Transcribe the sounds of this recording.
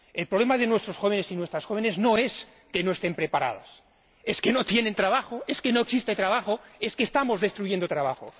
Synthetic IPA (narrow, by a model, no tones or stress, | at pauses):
e̞lpɾoβle̞maðe̞nwe̞st̪ɾo̞sxo̞β̞e̞nesinwe̞st̪ɾasxo̞β̞e̞ne̞zno̞e̞s | ke̞no̞e̞st̪e̞mpɾe̞paɾa̰ð̞a̰s | e̞ske̞no̞t̪je̞ne̞nt̪ɾaβaxoe̞ske̞no̞eksist̪e̞t̪ɾaβaxo̞e̞skeːst̪amo̞zðe̞st̪ɾuʝe̞nd̪ot̪ɾaβ̞axo̰